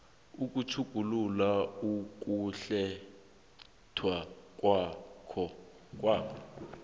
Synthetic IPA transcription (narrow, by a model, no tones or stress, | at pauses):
uk̬ʼut͡ʃʰuɡ̥ʱululauk̬ʼuɬɛ | tʰwak̬ʼwakʰɔ | k̬ʼwaːkʰɔ